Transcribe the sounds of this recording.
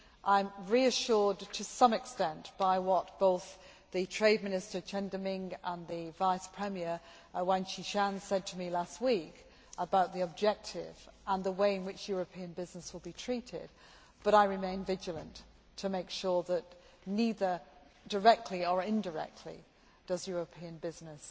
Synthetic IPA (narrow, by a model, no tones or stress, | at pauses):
ʔãɪ̃mɹiɨʃʊɹdtʰɨsʌ̃mɨkstɛ̃ntb̥aɪwɒt̚b̥oʊθ | ðɨtʰɹ̥eɪd̚mɪ̃nɪstə˞t͡ʃʰɛ̃ndəmɪ̃ŋɡə̃nðɨvaɪspʰɹ̥ɛmiə˞ | wãnt͡ʃiʃæ̃nsɛd̚tʰəmilast̚wik | ʔəbaʊt̪̚ðiəb̚d͡ʒɛk̚tʰɪ̰v̥ə̃nðəweɪɨ̃nwɪt͡ʃjʊɹɨpʰĩɨ̃nbɪznəswəlˠbitʰɹ̥iɾɪ̰d̚ | b̥ʌɾaɪɹɨmẽɪ̃nvɪd͡ʒəl̩ˠə̃nt | tʰɨmeɪkʃɔɹðət | niðə˞də˞ɛk̚tʰˡliəɪ̃ndə˞ɛ̰k̚tʰˡlḭ | d̥ʌzjʊɹəpʰiɨ̃nbɪznɪs